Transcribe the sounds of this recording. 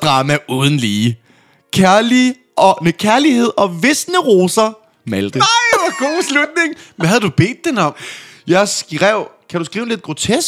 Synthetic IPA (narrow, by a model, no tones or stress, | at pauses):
d̥ʁɑ̈mæʔuːð̞ˠn̩liː | kʰæɐli | ʔɒnəkʰæɐlihe̝ð̰ˠɒ̽ʋe̝snəʁoːsɐ | mæld̥əɑɪɑɡ̥o̝̰ːslud̥ne̝ŋʋæɦæðˠd̥ub̥e̝̰ːd̥̚ːenɒ̽m̰jɑ̈ɪsɡ̥ʁɛʊ̰kʰæɾ̥usɡ̥ʁiːʊnle̝d̥̚ɡ̥ʁo̝t͡sʰesɡ̥